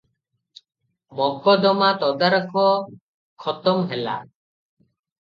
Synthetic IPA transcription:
bɔɡɔd̪ɔmat̪ɔd̪aɾkʰɔ | kʰɔt̪ɔmɦela̰

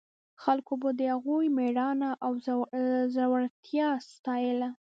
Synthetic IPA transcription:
xalkobad̪əhaɣujmeɽɑnaʔaw | zawaɽt̪ʰjɑst̪ɑjəla

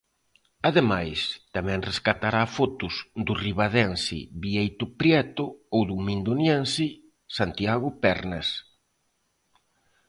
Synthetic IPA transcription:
aðemajst̪amɛ̃ŋreskat̪aɾafɔt̪ʊzd̪ʊriβaðɛnsḭβiejt̪ʊpɾjɛt̪ʊowðumĩnd̪ʊnjɛnsi | sant̪iaɣʊpɛɾnes

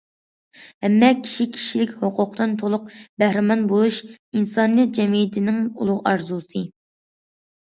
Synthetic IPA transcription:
hɛmːɛkʲʰi̥ʃikʲʰi̥ʃilɪkʲhoqʰʊqd̪ɨnt̪ʰolˠʊq̚bæhɾɪmɑnbolˠuʃinsɑnijɛt̪̚d͡ʒɛmijt̪ʰɪnɪŋṵlˠʊʁɑɾzusɨ

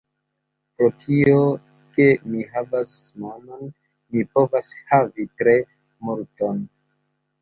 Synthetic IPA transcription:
pɾo̞tʰio | ke̞miɦavasmamon | mipo̞vashavitɾe̞ | muɾton

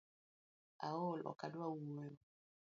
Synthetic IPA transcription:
aolʔɔ̰kadwawujɔ

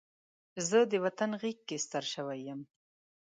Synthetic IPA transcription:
zəd̪əwat̪anɣikːest̪aɾʃəwajəm

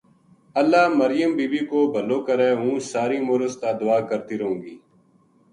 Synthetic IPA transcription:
əlːaːməɾɪjəmbiːbiːkoːbʱəloːkəɾɛːɦũːsaːɾiːmʊːɾəst̪aːd̪ʊaːkəɾt̪iːɾəɦũːɡiː

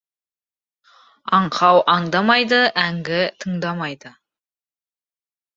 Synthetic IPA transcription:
ɑɴqʰɑwʔɑɴd̪ɑmɑjd̪əʔæŋɡʲɪt̪ʰəɴd̪ɑmɑjd̪ə

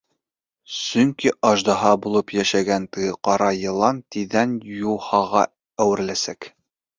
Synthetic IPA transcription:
sɵŋkiʔɑʒd̪ɑɦɑbulˠɤpjæʃæɡænt̪ɤjɤqɑɾɑjɤ̆lˠɑnt̪iðænjulˠhɑʁɑ | æwɘ̆ɾlæsæk

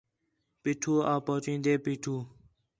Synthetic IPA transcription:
piːʈʰuːaːpoːt͡ʃĩːnd̪eːpiːʈʰuː

